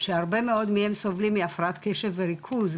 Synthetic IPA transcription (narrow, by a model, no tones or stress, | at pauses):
ʃeaʁbemeo̞d̪mihemsovlimːiafʁat̪keʃevːeʁikʰuz